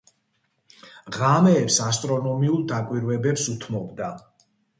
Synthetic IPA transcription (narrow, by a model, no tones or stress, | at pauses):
ʁamɛːpsast̪ʼɾɔnɔmiulˠd̪akʼwiɾwɛbɛpsut̪ʰmɔbd̪a